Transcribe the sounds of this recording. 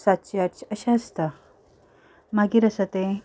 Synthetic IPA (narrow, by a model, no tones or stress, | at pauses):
sat̪ɕjat͡ɕəɕaəst̪a | maɡiɾəsat̪e